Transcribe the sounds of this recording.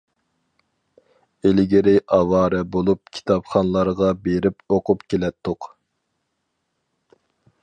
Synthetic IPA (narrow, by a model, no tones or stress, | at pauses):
elɡʲɪɾɪʔɑwɑːɾɛbolˠup̚kʲʰi̥t̪ʰɑpχɑnlˠɑɾʁɑbeɾɪpoqʰʊpkʲʰelɛt̪ʰːʊq